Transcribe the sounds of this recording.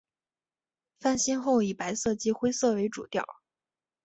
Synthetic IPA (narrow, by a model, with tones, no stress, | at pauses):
fa˥˩nɕɛ˥nxo˥˩ʊi˨˩pa˧˥ɪsɤ˥˩t͡ɕi˥xwe˥ɪsɤ˥˩we˧˥ɪʈ͡ʂṵ˨˩t̪jɑ̰˥˩ʊ